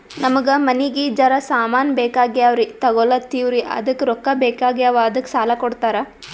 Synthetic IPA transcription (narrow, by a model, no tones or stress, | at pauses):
nɐmɐɡɐmɐniɡiːd͡ʒɐɾɐsaːmaːnbeːkaːɡiaʋɾit̪ɐɡɔlɐt̪iːʋɾiʔɐ̰d̪ɐkːɾɔkːɐbeːkaːɡiaʋɐɐd̪ɐkːsaːlɐkɔɽt̪aːɾɐ